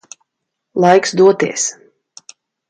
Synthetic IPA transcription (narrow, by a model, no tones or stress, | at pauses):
lˠajksd̪uɔt̪iɛs